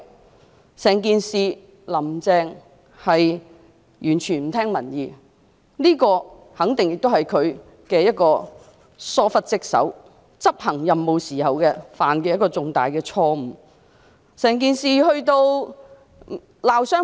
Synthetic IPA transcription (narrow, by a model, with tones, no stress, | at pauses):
sɛː˨˩ŋkiː˨˧nsiː˨˧ | lɐ˨˩mt͡sɛː˨˧ŋ | hɐ˨j | jyː˨˩nt͡ʃʰyː˨˩nm̩˨˩t̪ʰɛː˥ŋmɐ˨˩njiː˨˧ | liː˥kɔː˧ | hɐ˨˥ŋt̪ɪ˨ŋjɪ˨k̚t̪o˥whɐ˨jkʰɵ˨˧ɥ | kɛː˧jɐ˥t̚kɔː˧ | sɔː˥fɐ˥t̚t͡sɪ˥k̚sɐ̰˨˥w | t͡sɐ˥p̚hɐ˨˩ŋjɐ˨mːo˨˧wsiː˨˩hɐ˨wkɛː˧faː˨˩nkɛː˧jɐ˥kɔː˧t͡sʊ˨ŋt̪a̰ː˨jkɛː˧t͡sʰɔː˧m̩˨˩ | sɛː˨˩ŋk̬iː˨˧nsiː˨hɵ˧ɥt̪o˧w | laː˨wsœː˥